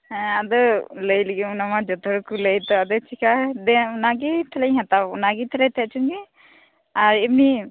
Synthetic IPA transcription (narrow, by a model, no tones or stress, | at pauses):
ɛ̃ad̪ɔləjliɡimnamad͡ʒɔt̪ɔɾkuləjt̪ɔad̪ɔt͡ʃʰikʰad̪ɛnaɡit̪ʰɛlajɦat̪abnaɡit̪ʰɛlɛjt̪ʰat͡ʃʰunɡi | aɾibni